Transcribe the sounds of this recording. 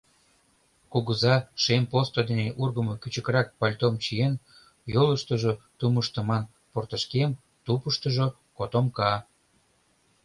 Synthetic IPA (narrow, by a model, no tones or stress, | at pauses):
kuɣəzɑʃempost̪od̪eneʔurɣəmo̽kyt͡ɕə̆kɾɑk̚pɑlʲt̪omt͡ɕien | joləʃt̪əʒot̪uməʃt̪ə̆mɑn | port̪əʃkem | t̪upəʃt̪əʒo | kot̪omkɑ